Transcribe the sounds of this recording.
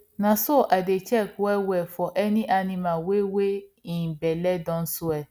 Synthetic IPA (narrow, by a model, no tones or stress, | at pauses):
nãsoʔadet͡ʃɛkɛwɛfɔʔɛnĩʔanĩmãweweĩbɛlɛdɔ̃n̩soɛ